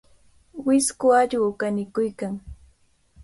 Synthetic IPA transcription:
wɪskʊaʎwkanɪkʊjkaŋ

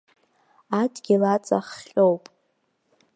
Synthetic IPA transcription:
adɡʲilat͡sʼa̰χowpʼ

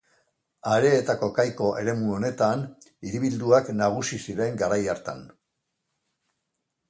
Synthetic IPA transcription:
aɾe̞ːt̪ako̞kajko̞ʔe̞ɾe̞muo̞ne̞t̪aniɾiβild̪uaknaɣ̞usisiɾe̞ŋɡaɾajaɾt̪a̰n

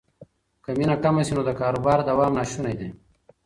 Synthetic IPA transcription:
kɐminakɐmɐsinod̪əkaːɾubaːɾd̪ɐwaːmnaːʃunɐjd̪e

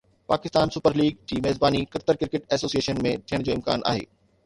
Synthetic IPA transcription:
paːkɪst̪aːnsʊpəɾliːɡ̚d͡ʑiːmɛːzbaːnikɐɾt̪əɾkɪɾkɪʈɛːsoːsieːʃənmẽt̪ʰijəɽ̃d͡ʑoːɪmka̰ːnʔa̰ːɦḛː

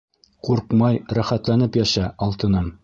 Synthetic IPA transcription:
quɾqmɑjɾæχæt̪lænɘpjæʃæɒlˠt̪ɤ̆nɤm

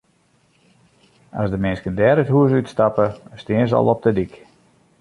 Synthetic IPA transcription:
a̰sdəmɪnskəndɛːɾətɦuəs̬ytstapəstɪənsəɔ̰lˠɔp̚dədik

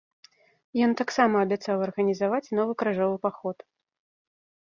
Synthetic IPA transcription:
jɔnt̪aksamɐːbʲɛt̪sawɐrɣɐnʲizavat͡sʲnɔvɨkɾaʐɔvɨpaxɔt̪

